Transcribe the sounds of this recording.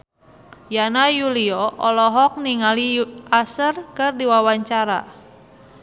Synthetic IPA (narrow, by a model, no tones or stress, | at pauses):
janajuliɔʔɔlɔɦɔk̚niŋaliasərkɨrdiwawaɲt͡ʃaɾa̰